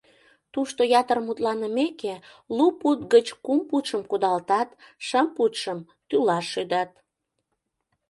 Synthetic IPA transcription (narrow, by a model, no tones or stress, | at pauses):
t̪uʃt̪ojɑt̪ərmut̪lɑnəmeke | luput̪̚ɡət͡ɕkumput̪ʃəmkud̪ɑlt̪ɑt̪ʃəmput̪ʃəm | t̪ylɑʃːyd̪ɑt̪̚